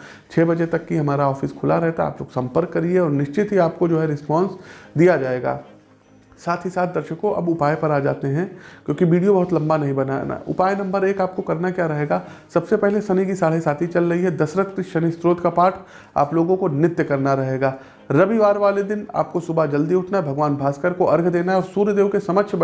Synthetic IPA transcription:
t͡ʃʰeːbɐd͡ʒet̪ɐkːiɦɐmaːɾaɔːfɪskʰʊlaɾɛɦt̪aa̰ːploːɡsɐ̃mpəɾkːɐɾieɔːɾnɪʃt͡ʃɪt̪ɦiaːp̚kod͡ʒoːɦɛɾɪspɔ̃ːnsd̪ijad͡ʒaːeːɡa̰ː | saːt̪ʰɦisaːt̪̚d̪ɐɾʃəkõʔɐ̰bʊpaːjpɐɾaːd͡ʒa̰ːt̪eɦɛ̃kjõːkiʋiːɖijobɐɦʊt̪lɐ̃mbanɐɦĩbɐnana̰ʊ̰paːjenɐ̃mbəɾeːkaːp̚kokɐɾnakjaːɾɐɦeːɡaː | sɐbsepɛɦlesɐnikisaːɽɦesaːt̪ʰit͡ʃɐlɾɐɦiɦɛd̪ɐsɾəkt̪iʃɐnist̪ɾoːt̪kapaːʈʰ | a̰ːploːɡõkonɪt̪jəkɐɾnaɾɐɦeːɡaː | ɾɐʋiʋaːɾʋaːled̪ɪna̰ːp̚kosʊbʱad͡ʒɐld̪iʊʈʰnaɦɛbʱɐɡʋaːnbʱaːskəɾkoʔɐɾɡʱd̪eːnaɦɛɔːɾsuːɾjəd̪eːʋkesɐməʃʰb

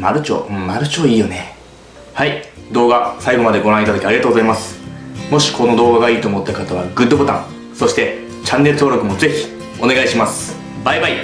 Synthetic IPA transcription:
maɾɯ̟t͡ɕo̰ːɯ̃maɾɯ̟t͡ɕo̞ːiːjo̞ne̞ | haid̪o̞ːɡasaiɡo̞mad̪e̞ɡo̞ɾãit̪ad̪akʲiaɾʲiɡat̪oːɡozaimasɨ̥mo̞ɕi̥kʰo̞no̞d̪o̞ːɡaɡaiːt̪oːmo̞t̪ːakat̪aβ̞aɡɯ̟d̪ːobot̪ã̰ŋ̃ | so̞ɕi̥t̪e̞ | t͡ɕãnːe̞ɾɯ̟t̪o̞ːɾo̞kɯ̟mo̞ze̞çi̥ | o̞ne̞ɡaiɕimasɨ̥ | baibai

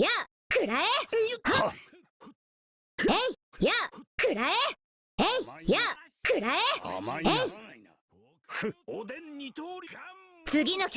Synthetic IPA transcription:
ja | kɯɾae | eijakɯɾae | eijakɯɾaeei | i | t͡sɨɡʲinokʲ

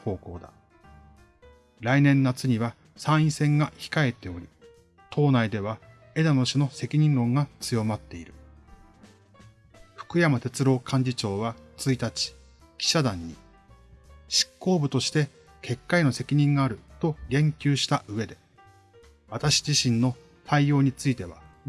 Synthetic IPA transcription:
ho̞ːko̞ːd̪a̰ | ɾainẽ̞nːat͡sɨɲ̟iβa | sãɰ̃ĩsẽ̞ŋɡaçi̥kae̞t̪ːe̞o̞ɾʲi | t̪ʰo̞ːnaid̪e̞β̞a | e̞d̪ano̞ɕino̞se̞kʲiɲ̟ĩnɾõ̞ŋɡat͡sɨjo̞mat̪ːe̞iɾɯ̟ | ɸɯ̟̥kɯ̟jamat̪e̞t͡sɨɾo̞ːkʰãɲ̟d͡ʑit͡ɕo̞ːβat͡sɨit̪at͡ɕi̥ | kʲi̥ɕad̪ãɲ̟ːḭ | ɕi̥kːo̞ːbɯ̟t̪o̞ɕi̥t̪e̞ | kʰe̞kːaeno̞se̞kʲiɲ̟ĩŋɡaːɾɯ̟t̪o̞ɡẽ̞ŋkʲɨːɕi̥t̪aʔɯ̟βe̞d̪e̞ | βat̪aɕi̥d͡ʑiɕĩnːo̞ | t̪ʰaijo̞ːɲ̟it͡sɨit̪e̞βa

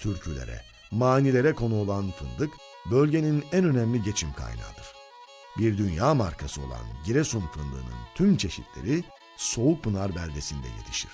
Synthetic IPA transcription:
t̪ʰyɾcʰylʲe̞̰ɾɛ̰ | maːnilʲe̞ɾɛkʰo̞nuo̞lˠanfɯnd̪ɯk | bø̞lʲɟe̞ninænø̞næmlʲiɟe̞t͡ʃʰimkʰa̰jna̰ːd̪̥ɯɾ̥ | biɾd̪ynjaːmaɾkʰasɯo̞̰lˠa̰nɟiɾɛsunfɯnd̪ɯ̰ːnɯ̰nt̪ʰymt͡ʃʰe̞ʃit̪ʰlʲe̞̰ɾi | so̞uk̚bɯnaɾbælʲd̪e̞sind̪ɛ̰je̞̰t̪ʰi̥ʃḭɾ̥

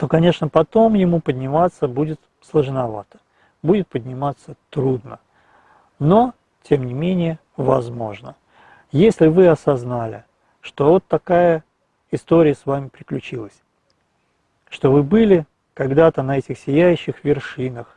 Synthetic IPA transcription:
t̪o̞kɐnʲe̞ʂnəpɐt̪o̞mjɪmupədʲnʲɪmat̪sːəbudʲɪt̪ | slˠəʐnɐva̰t̪ə̥ | budʲɪt̪̚pədʲnʲɪmat̪sːət̪ɾud̪nə | no̞ | tʲe̞mnʲɪmʲenʲɪjə | vɐzmo̞ʐnə | jesʲlʲɪvɨɐsɐznalʲɪ̰ | ʂt̪o̞vo̞t̪ːɐkajə | ɪst̪o̞ɾʲɪjəsvamʲɪpɾʲɪklʲʉt͡ɕilˠəsʲ | ʂt̪o̞vɨbɨlʲɪ | kɐɡd̪at̪ənɐɛtʲɪxsʲɪjæjʉɕːɪxvʲɪrʂɨnəx

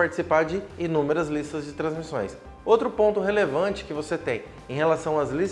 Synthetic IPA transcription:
aɾt͡ʃi̥sipaɾd͡ʒɪinũmeɾɐzlist̪ɐzd͡ʒɪt̪ɾɐ̃zmisõj̃s | owt̪ɾʊpõnt̪ʊɦelevɐ̃t͡ʃɪ̥kɪvoset̪ẽj̃ | ẽj̃helasɐ̃w̃ɐːzlis

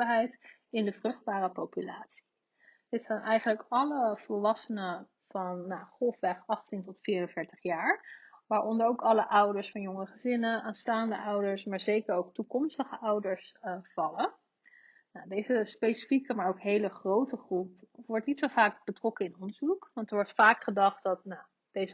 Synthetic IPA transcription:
əɹɦɛjtɪndəvrɵχd̚baːɾəpowpylaːtsi̥ | dɪtsaːnʔɛjχənləkɑləv̥əlˠʋɑsənə | vɑnːaχɔlˠfʋɛχɑχtintɔtfiːɹənvɪːɹtəχjaːɹʋaːɹʔɔndəɹowkɑləʔʌwdəɹsfɑnjɔŋəχəzɪnəaːnstaːndəʔʌwdəɹsmaːɹzejkəɹowktukɔmstəχəʔʌwdəɹsv̥ɑlə | nadejzəspejsi̥fikəmaːɹowkɦejləχrowtəχrupʋɔɹtnitsowvaːk̚b̥ətrɔkəɪnɔndəɹzukʋɑntɛɹʋɔɹtfaːkχədɑχt̚dɑtna | d̥ejzə

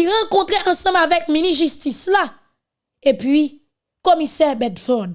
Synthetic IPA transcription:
iʁãkɔ̃t̪ʁeʔɑ̃sʌ̃mavɛk̚miniʒystisla | epɥi | komisɛbɛdfɔd

